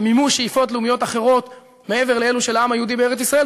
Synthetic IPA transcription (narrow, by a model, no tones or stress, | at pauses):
mimuʃejifo̞tleumijo̞t̪aχe̞ʁo̞t̪ | mee̞ve̞ʁleeluʃelaamhajehud̪ibeeet͡sisʁae